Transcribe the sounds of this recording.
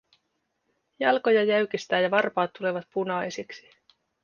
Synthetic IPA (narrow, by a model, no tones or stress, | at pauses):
jɑlko̞jɑjæɥk̟ist̪æːjɑʋɑrpɑːt̪ːule̞ʋɑt̪punɑjsiksi̥